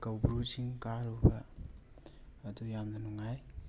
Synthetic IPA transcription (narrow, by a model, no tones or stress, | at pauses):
kawbɾud͡ʒiŋkaɾubɐ | dujamnɐnuŋaj